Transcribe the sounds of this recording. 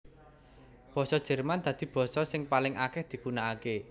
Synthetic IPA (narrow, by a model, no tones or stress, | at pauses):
b̥ɔ̤sɔd̥ʒ̥ɛ̤rmand̪̥ä̤d̪̥i̤b̥ɔ̤sɔsɪŋpalɪŋʔakɛhd̪̥i̤kunaːke